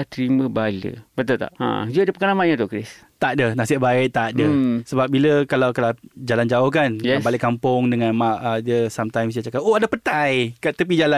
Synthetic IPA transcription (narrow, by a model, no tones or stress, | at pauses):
aht̪ɾimə̃balə̰bət̪ʊlt̪a̰ʔã̰d͡ʒuadəpəkanamaʔɲãt̪ʊʔkɾɪs | t̪aʔdənasiʔbaɪt̪adəsəbap̚biləkalawkalad͡ʒaland͡ʒaʊhkanbalɪʔkampʊŋdəŋãnmaʔədiəsamt̪ajmsdat͡ʃakaʔʔoadapət̪ajkat̪əp̬id͡ʒala